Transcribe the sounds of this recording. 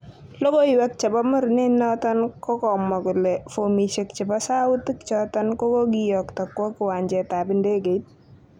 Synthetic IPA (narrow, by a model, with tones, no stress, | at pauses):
lo˦ɡo˦iwɛ˦k̚t͡ʃɛ˨ba˦mʊ˦ɾnɪ˦nɔ˦t̪ɔ˦nkɔ˦kɔ˨mːɔ˨kʊ˨lɛfomiʃe˨kt͡ʃɪ˨ba˦sa˦ʊ˦ti˦kt͡ʃɔt̪ɔnkɔ˦ko˦ɡijɔkta˨kːwɔ˦kɪ˨wa˨ɲd͡ʒɛ˨ta˨bɪ˦nde˦ɡe˨jt̚